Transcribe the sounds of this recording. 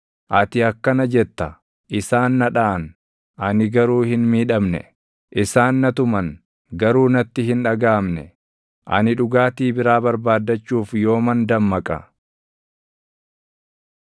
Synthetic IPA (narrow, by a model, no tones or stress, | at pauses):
ʔɐt̪ɪɐkːɐnɐd͡ʒɛt̪ːɐ | ʔɪsaːnːɐᶑaːɐn | ʔɐnɪɡɐɾuːhɪnmiːᶑɐmnɛ̰ | ʔɪsaːnːɐt̪ʊmɐn | ɡɐɾuːnɐt̪ːɪɦɪnᶑɐɡaːmnɛ̰ | ʔɐ̰nɪᶑʊɡaːt̪iːbɪɾaːbɐɾbaːd̪ːɐt͡ʃːuːfjo̞ːmɐnd̪ɐmːɐkʼɐ̰